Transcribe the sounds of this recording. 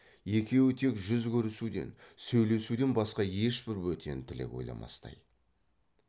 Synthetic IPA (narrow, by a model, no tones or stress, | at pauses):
e̞kʲe̞wɪt̪ʰe̞kʒʏzkʲʰɵɾɪsud̪e̞̰nsɵjle̞sud̪e̞nbɑsqɑje̞ʃpɪɾwɵt̪ʰe̞nt̪ʰɪle̞̰kwo̞jlˠɑ̰mʔɑ̰st̪ɑ̰j